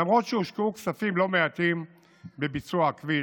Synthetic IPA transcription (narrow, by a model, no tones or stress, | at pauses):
amʁot̪ʃeuʃkeuksafimlomeat̪im | bebit͡suakvi